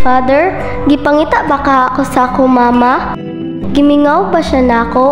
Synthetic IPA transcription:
faːd̪ɛɹ | ɡɪpɐŋiːt̪aʔbakaɐkosɐakomaːma | ɡɪmɪŋawbɐʃanɐɐko̞

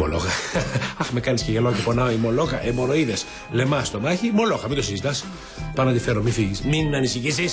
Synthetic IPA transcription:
mo̰lo̰xɐɐxmekɐnisceʝelocefo̞nɐoimo̞lokɐʔemo̞ɾoiðes | le̞mɐst̪o̞mɐçimo̞lo̞xɐmit̪osizit̪ɐs | pɐnɐnd̪ifeɾomifiʝisminnɐnisiçisis

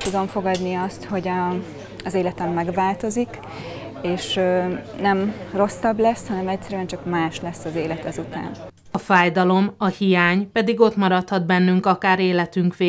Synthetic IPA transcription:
t̪ud̪o̞ɱfo̞ɡɒd̪niɒst̪ho̞ɟɒː | zeːlɛt̪ɛmːɛɡʋaːlt̪o̞zik | eːʃ | nɛmro̞sːɒblɛshɒnɛmɛcsɛɾyɛnt͡ʃɒkmaːʃlɛsːɒzeːlɛt̪ɛzut̪a̰ːn | ɒfaːjd̪ɒlo̞mɒhijaːɲpɛd̪iɡo̞t̪mɒɾɒt̪hɒd̪bɛnːyŋkɒkaːɾeːlɛt̪yŋkʋeː

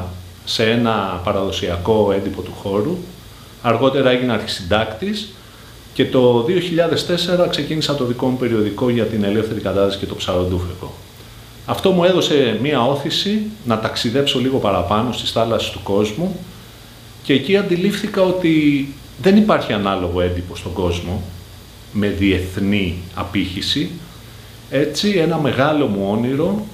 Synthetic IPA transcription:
se̞e̞nɐpɐɾɐðo̞siɐko̞e̞nd̪ipo̞t̪uxo̞ɾu | ɐɾɣo̞t̪e̞ɾɐe̞ʝineɐɾçi̥sind̪ɐkt̪is | ce̞t̪o̞ðio̞çiʎɐðe̞st̪e̞se̞ɾɐkse̞cinisɐt̪o̞ðiko̞mupe̞ɾio̞ðiko̞ʝɐt̪ine̞le̞fθe̞ɾikɐt̪ɐðisi̥ce̞t̪o̞psɐɾond̪ufeko̞̰ | ɐft̪o̞mue̞ðo̞se̞miɐo̞θisinɐt̪ɐksiðe̞pso̞liɣo̞pɐɾɐpɐno̞st̪i̥sθɐlɐsi̥st̪uko̞zmu | ce̞ːciɐnd̪ilifθikɐo̞t̪i | ðe̞nipɐɾçiɐnɐlo̞ɣo̞e̞nd̪ipo̞st̪o̞ɡo̞zmo̞ | me̞ðie̞θniɐ̰piçisi | e̞t͡sie̞nɐme̞ɣɐlo̞muo̞niɾo̞

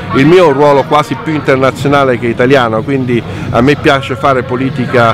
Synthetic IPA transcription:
ilmiːorwɔːlokwaːzipjuint̪ernat̪sːjonaːlek̟eit̪aljaːnokwind̪i | a̰mːepːjaːt͡ʃefaːɾepoliːt̪ika

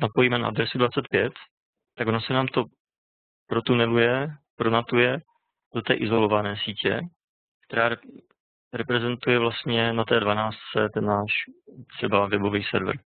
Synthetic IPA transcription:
napo̞jimɛna̰ʔa̰d̪ɾɛsudvat͡sɛt̪̚pjɛt̪ː | aɡonasɛnaːmt̪o̞ | pɾot̪unɛlujɛpɾonat̪ujɛ | d̥ot̪ɛːʔɪzo̞lovanɛːsiːcɛ̰ | k̚t̪ɛɾaːɾ | ɾɛpɾɛzɛnt̪ujɛvlast̪ɲɛnat̪ɛːdvanaːst̪t͡sɛt̪ɛnːaːʃt̪r̝̥ɛbavɛbo̞viːsɛ̰ɾv̰ɾ

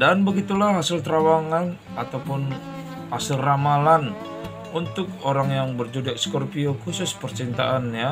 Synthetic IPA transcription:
danbəɡit̪ulaɦasɪlt̪ɾawaŋan | at̪awpʊn | hasɪlramalan | unt̪ʊk̚oɾaŋjaŋbərd͡ʒodiaʔskɔrpiokusʊspərt͡ʃint̪a̰ʔanja

